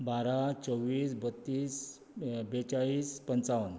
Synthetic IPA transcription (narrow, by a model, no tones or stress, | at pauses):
baɾat͡səʋːiːsbət̪ːiːs | bet͡ɕaɭiːspənt͡saʋən